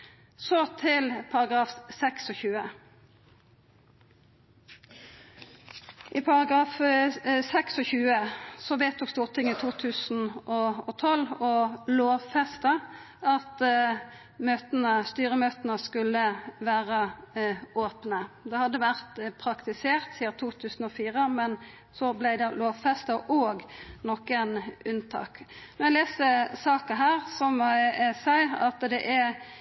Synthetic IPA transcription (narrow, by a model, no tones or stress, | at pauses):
sɔt̪ʰɪlpʰɑʁɑɡʁɑːfsɛksɔçʉːə | ʔiːpʰɑʁɑɡʁɑːfsɛksɔçʉːəsɔʋeːt̪ʰːɔːkst̪uːʁt̪ʰɪŋːit̪ʰuːt̪ʰʉːsn̩ʔoːot̪ʰɔlɔloːʋfɛst̪ə | ɑt̪ | møːt̪nəst̪yːɾəmøːt̪ənəskʉlːəʋæːɾə | oːpnəd̪ɛhɑd̪ːəʋæʁt̪pʰɾɑkt̪ɪseːʁt̪siːɑt̪ʰuːt̪ʰʉːsn̩ɔfiːʁəmɛn | sɔblæɪd̪ɛloːʋfɛst̪ɑʔoːɡnɔkənʉnt̪ʰɑ̰ːknɔɛɪleːsəsɑːkɑɦæːʁsɔmsæɪɑt̪d̪ɛʔæ